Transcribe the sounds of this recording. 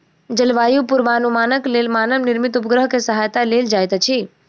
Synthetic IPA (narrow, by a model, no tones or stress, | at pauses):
d͡ʒəlʋaːjupʊɾʋaːnumaːnəkleːlmaːnəmnɪɾmit̪ʊp̬əɡɾəɦkesəɦaːjt̪aleːld͡ʒaːjt̪t͡ʃʰi